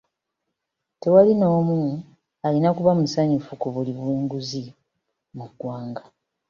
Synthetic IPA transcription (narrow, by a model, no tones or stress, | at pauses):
te̞walino̞ːmu | alinakuβamusaɲifukuβuliβuːŋɡuzi | muɡwaːŋɡa